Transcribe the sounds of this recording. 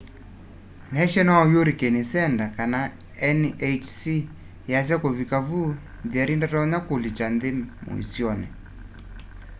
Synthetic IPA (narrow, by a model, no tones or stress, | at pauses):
nɛʃɛnajoɾikɛnisɛndakana | ɛnet͡ʃsi | jas̬akoβikavu | diaɾindataɔɲakolit͡ʃand̪emṵḭsiɔnɛ̰